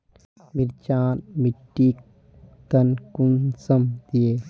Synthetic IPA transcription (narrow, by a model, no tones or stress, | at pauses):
miɾt͡ʃaːnmiʈːik | t̪ɐnkunsɐmd̪̥ijeː